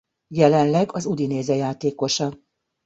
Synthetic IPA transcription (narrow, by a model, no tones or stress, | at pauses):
jɛlɛnlɛɡɒzud̪ineːzɛjaːt̪eːko̞ʃɒ